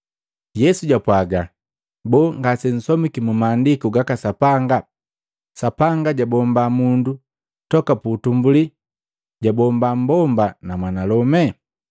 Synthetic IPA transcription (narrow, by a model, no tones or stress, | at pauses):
jɛsuɟapwaɡa | bɔːŋɡasɛn̩sɔmikimumaːndikuɡakasapaŋɡa | sapaŋɡaɟabɔmbamundu | tɔkapuːtumbuli | ɟabɔmbam̩bɔmbanamwanalɔmɛ